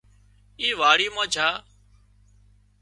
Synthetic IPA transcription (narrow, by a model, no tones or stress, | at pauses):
iːʋaːɽiːmãːt͡ʃʰaː